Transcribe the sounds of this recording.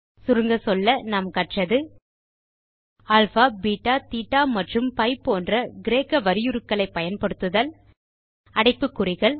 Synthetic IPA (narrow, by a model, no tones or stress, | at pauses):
sʊɾɯŋɡɐsɔlːɐnamkɐʈrɐðɯ | ɐːlfaːbiːʈːaːt̪iːʈːaːmɐʈrɯmpɐɪpːoːndrɐɡɪɾeːkːɐʋɐɾɪjɯɾɯkːɐɭɐɪpːɐjɐnpɐɽɯt̪ːɯðɐl | ɐɽɐɪpːɯkːʊrɪɣɐɭ